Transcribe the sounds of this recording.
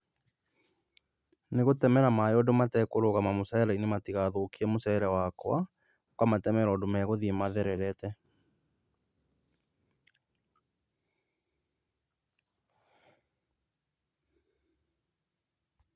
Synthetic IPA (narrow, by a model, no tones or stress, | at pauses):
neɣotɛmɛɾamajɔdomatɛkoɾoɣamamosaɛɾainematiɣaðoːkiɛmosɛɛɾɛwakwa | kwamatɛmɛɾɔːdomɛɣoðiemaðɛɾɛɾɛtɛ